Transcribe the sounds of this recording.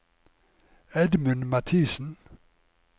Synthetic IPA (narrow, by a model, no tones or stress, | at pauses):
ɛd̪mʉnmɑt̪ʰiːsn̩